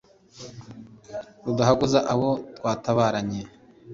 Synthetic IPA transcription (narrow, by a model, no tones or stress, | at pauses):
ɾudaɦaɡuzaʔaβo̞twaːtaβaːɾaɲe